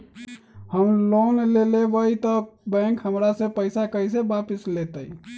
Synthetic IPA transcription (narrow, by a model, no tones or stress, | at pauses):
həmlonlelebəjt̪əbɛ̃ŋkɦəmɾasẽpəɪsakəjsebapislet̪əj